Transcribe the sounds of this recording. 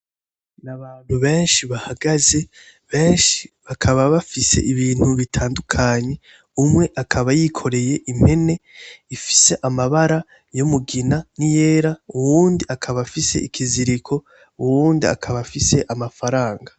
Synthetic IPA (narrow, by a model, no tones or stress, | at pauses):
naβaːn̥huβe̞ːnʃiβahaɡaze̞ | βe̞ːnʃiβakʰaβaβafise̞̰ʔiβiːn̥huβitʰaːndukʰaɲe̞ | umŋe̞ʔakʰaβajiːkʰo̞ɾe̞je̞ʔim̥he̞ne̞ifi̥se̞ʔamaβaɾa | jomuɡinanije̞ːɾauwuːndiakʰaβafise̞̰ʔikʰiziɾikʰo̞ | uwuːndia̰kʰaβafise̞ʔamafaɾaːŋɡa